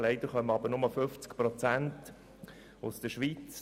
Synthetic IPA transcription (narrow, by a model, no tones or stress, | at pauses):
lɛɪd̥̪əɾχœməɑbəɾnʊməfʏft͡skpɾɔt͡sænt | ʊsd̪̥əʃʋit͡s